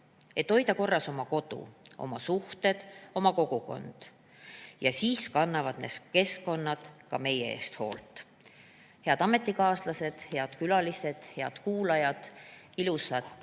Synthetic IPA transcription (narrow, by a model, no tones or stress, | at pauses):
e̞t̪ːo̞jd̪ɑko̞rːɑso̞mɑko̞t̪ṵo̞̰mɑsuht̪e̞d̪̥o̞mɑko̞ɡ̥uko̞̰nd̪̥ | jɑsiːskɑnːɑvɑd̪̥ne̞ske̞sko̞nːɑd̪̥kɑ̰me̞jee̞̰ːst̪ho̞ːlt̪ˑ | he̞ɑd̪ɑme̞t̪ːˑikɑːslɑse̞d̪̥he̞ɑd̪̥kylɑlise̞d̪̥he̞ɑ̰d̪̥kuːlɑjɑd̪̥ | ilusɑd̪̥